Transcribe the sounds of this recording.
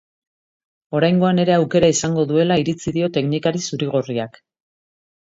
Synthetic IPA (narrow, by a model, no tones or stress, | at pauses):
o̞ɾajŋɡo̞ane̞ɾe̞awke̞ɾaisaŋɡo̞ðue̞laiɾit͡siðio̞t̪e̞knikaɾisuɾiɣ̞oriak